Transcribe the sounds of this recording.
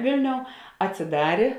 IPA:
ˈʋʲeːlʲˌnʲoːʊ ɐtʲsʲɪˈdɑːrʲeː

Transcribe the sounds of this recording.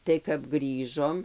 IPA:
tɐɪ kɐp ˈɡrʲiːʒoːm

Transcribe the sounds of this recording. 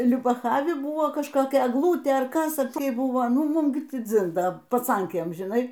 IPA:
lʲʊbɐˈxɑːʋʲɪ ˈbuːʋoː kɐʃkoːˈkʲɛ ɛɡˈlˠuːtʲeː ɐr ˈkɐs ɐ pʲrʲeː ˈbʊʋoː ˈnʊ ɡʲɪˈmuːm ˈɡʲɪ ˈtʲiː ˈd͡zʲɪn ˈdɐ pɐˈt͡sɐŋʲkʲeːm ʒʲɪˈnɐɪ

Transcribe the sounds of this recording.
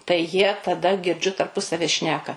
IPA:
tɐɪ jiɛ tɐˈdɐ ɡʲɪrʲˈd͡ʒʲʊ tɐrˈpʊsɐʋʲɪ ˈʃʲnʲæːkɐ

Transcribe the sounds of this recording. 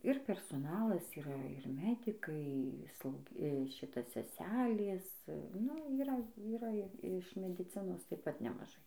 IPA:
ɪr pʲɛrsoːˈnɑːlˠɐs iːˈrɐ ɪr ˈmʲæːdʲɪkɐɪ ˈslˠɐʊ ˈʃʲɪtɐ sʲɛˈsʲæːlʲeːs nʊ iːˈrɐ iːˈrɐ ɪ ɪʃ mʲɛdʲɪˈt͡sʲɪnoːs tɐɪp ˈpɐt nʲɛmɐˈʒɐɪ

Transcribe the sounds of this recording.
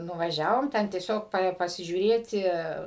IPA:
nʊʋɐˈʒʲæːʋoːm ˈtʲɛn tʲiɛˈsʲoːk pɐsʲɪʒʲuːˈrʲeːtʲɪ

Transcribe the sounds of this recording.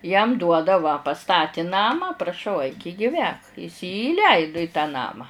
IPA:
jɛm ˈduɔdɐ ʋɐ pɐˈstɑːtʲɪ ˈnɑːmɑː prɐˈʃɐʊ ɐɪk ɪ ɡʲɪˈʋʲæːk ɪs jiː iːˈlʲɛɪdʊ ɪ tɑː ˈnɑːmɑː

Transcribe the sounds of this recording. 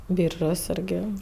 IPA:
ˈbʲiːrʒoːs ˈɪrʲɡʲɪ

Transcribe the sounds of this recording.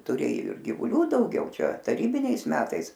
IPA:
tʊˈrʲeːjoː ɪr ɡʲɪʋʊˈlʲuː dɐʊˈɡʲɛʊ ˈt͡ʃʲɛ tɐˈrʲiːbʲɪnʲɛɪs ˈmʲæːtɐɪs

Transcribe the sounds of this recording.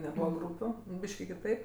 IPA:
nʲɛˈbuːʋɐ ˈɡruːpʲʊ ˈbʲiːʃʲkʲɪ kʲɪˈtɐɪp

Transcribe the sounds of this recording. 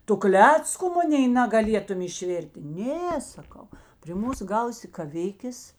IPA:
ˈtʊ ˈklʲæːt͡skʊ ˈmʊnʲeːɪ nɐɡɐˈlʲiɛtʊm ɪʃʲˈʋʲɛrʲtʲeː ˈnʲeː sɐˈkɐʊ pʲrʲɪ ˈmuːs ˈɡɐʊsʲɪ kɐˈʋʲɪkʲeːs

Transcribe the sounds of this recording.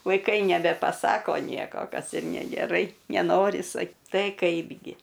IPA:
ʋɐɪˈkɐɪ nʲɛbʲɛpɐˈsɑːkoː ˈnʲiɛkoː ˈkɐs ɪr nʲɛɡʲɛˈrɐɪ nʲɛˈnoːrʲɪ sɐk ˈtɐɪ ˈkɐɪbʲɡʲɪ

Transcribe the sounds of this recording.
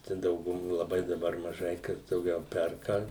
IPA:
ˈt͡ʃʲɛ dɐʊɡʊˈmoː lˠɐˈbɐɪ dɐˈbɐr mɐˈʒɐɪ kɐs dɐʊˈɡʲɛʊ ˈpʲɛrkɐ

